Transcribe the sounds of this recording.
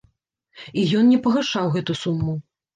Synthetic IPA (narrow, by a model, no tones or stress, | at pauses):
ijɔnnʲɛpɐɣaʂawɣɛt̪usumːu